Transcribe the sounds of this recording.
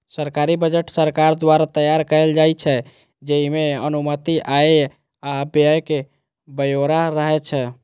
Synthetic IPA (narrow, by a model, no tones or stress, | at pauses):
səɾkaɾibəd͡ʒəʈsəɾkaɾd̪waɾat̪əjaɾkəeld͡ʒajt͡ʃʰɛ | d͡ʒəɦimeənumət̪iʔae | abjəjke | bəjoɾaɾəɦɛt͡ʃʰɛ